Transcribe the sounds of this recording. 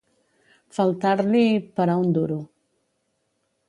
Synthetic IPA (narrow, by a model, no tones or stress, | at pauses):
falˠt̪aɾlipaɾaund̪uɾu